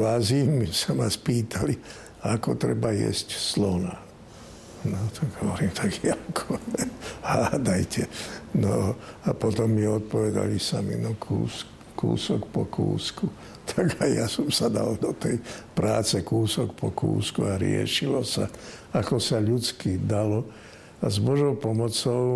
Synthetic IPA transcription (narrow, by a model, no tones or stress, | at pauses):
ʋazimisamaspiːt̪ʰali | akɔt̪ɾɛbajɛ̰scslɔna | nɔt̪ʰaɡɦɔʋɔɾiːmt̪aɡakʰɔ | haːd̪ajcɛnɔapɔt̪ɔmːiɔt̪̚pɔʋɛd̪a̰lisamḭnɔkʰṵːs | kṵːsɔkpɔkʰṵːsku | t̪ʰaɡajjasɔmsad̪a̰ld̪ɔt̪ɛjpɾaːt͡sɛkuːsɔkpɔkṵːskuaɾɪɛ̰ʃilɔsa | akɔsaʎut͡skid̪alɔ | azbɔʒɔʊpɔmɔt͡sɔʊ